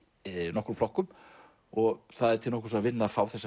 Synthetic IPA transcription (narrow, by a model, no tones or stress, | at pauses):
nɔhkɾuflɔhkʏm | ɔɣθaðɛɾt̪ʰɪlnɔhkɾ̥sɔavɪnːafaːwθɛsːa